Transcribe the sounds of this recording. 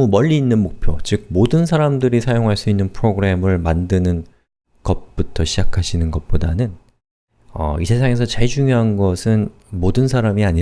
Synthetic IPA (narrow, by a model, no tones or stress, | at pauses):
mumʌʎːiːnːɯnmok̚pʰjot͡ɕɯɡ̚modɯns̬ʰaɾamdɯɾisʰajoŋɦaɭs͈uinːɯnpʰɯɾoɡɯɾe̞mɯɭmandɯnɯn | ɡ̥ʌt̚p͈utʰʌɕʰid͡ʑakʰaɕʰinɯnɡʌt̚p͈oda̰nɯn | ʌ̰isʰe̞sʰaŋe̞sʰʌt͡ɕaɭd͡ʑuŋjoɦanɡʌsʰɯn | modɯnsʰaɾamiaɲi